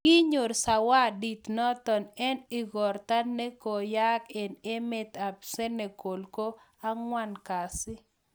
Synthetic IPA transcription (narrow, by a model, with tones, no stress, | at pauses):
kɪ˦ɲo˨ɾsa˨wa˦di˨t̪nɔ˦t̪ɔ˨nɛ˦nɪ˦ɡɔ˨rt̪a˦nne˦ko˨ja˦ke˨ne˦mɪ˦t̪a˨pse˦ne˨ko˨lko˦ | a˦ŋwa˦nka˨sɪ˦